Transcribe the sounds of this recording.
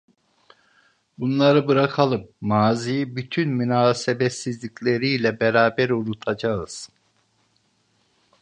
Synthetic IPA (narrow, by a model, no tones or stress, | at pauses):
bunlˠaɾɯbɯɾakʰalˠɯp̚maːzijibyt̪ʰynmynaːsebɛt̪sizlʲicʰlʲe̞ɾijlʲɛbɛɾaːbæɾunut̪ʰad͡ʒaɯz̥